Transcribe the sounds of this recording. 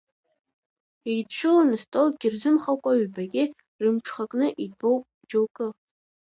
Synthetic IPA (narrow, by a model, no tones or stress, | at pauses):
ijdʈ͡ʂʰɨlanɨstʼolɡʲɪrzɨmχakʷʼaɥbaɡʲɪ | rɨmʈ͡ʂʰχakʼnɨʔibo̞wpʼ | d͡ʒowkʼɨ